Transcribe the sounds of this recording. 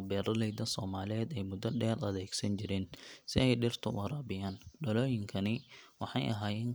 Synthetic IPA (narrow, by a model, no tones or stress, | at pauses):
bɛːɾɐlɛjd̪ɐsɔːmaːlɪɛːd̪ɛjmʊd̪ɐɖɛːrɐðɛːɡsɐnt͡ʃɪɾɛːnsɪ̰ɛjɖɪrt̪ʰʊɐɾaːbɪjaːnɖɐlɔːjɪŋkʰɐnɪwɑħɑ̰jʔɐ̰ɦaːjɛːŋ